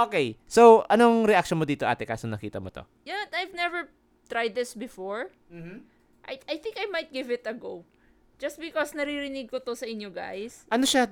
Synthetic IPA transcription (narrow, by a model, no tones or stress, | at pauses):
ʔoːkejsowʔɐnoŋɾɛʔak̚ʃonmod̪iːt̪oʔa̰ːt̪ɛka̰ːsonɐkiːt̪ɐmot̪o̰ | janajvnɛvɛɹ | t̪ɾajd̪̚ːɪsbɪfoɹ | m̩h̩ | ʔajajθɪ̃ŋkɐjmɐjt̪̚ɡɪvɪt̪ɐɡow | d͡ʒɐst̪̚bɪkɔsnɐɾiɾɪnɪɡ̚kot̪osɐʔɪɲjoɡa̰jsʔɐnoʃa